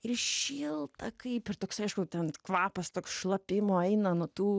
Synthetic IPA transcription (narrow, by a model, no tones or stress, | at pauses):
ɪrʃʲɪlˠt̪ɐkɐɪpɪrt̪oːksɐɪʃkʊt̪ʲɛnkʋɑːpɐst̪oːksʃlˠɐpʲɪmoːɛɪnɐnuɔt̪uː